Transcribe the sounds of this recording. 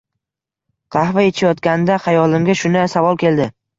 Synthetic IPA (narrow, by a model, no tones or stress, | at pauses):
qʰɑhvajet͡ʃʰajɒt̪kʲanɪd̪aχɑjɒlɪmɡʲaʃʊnasavɒlˠkʲe̞ld̪ɪ